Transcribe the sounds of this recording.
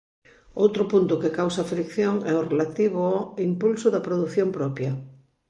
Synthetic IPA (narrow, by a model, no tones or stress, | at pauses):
owt̪ɾʊpunt̪ʊkekawsafɾikθjoŋɛorelat̪iβoɔimpulsʊðɐpɾoðuθjompɾɔpjɐ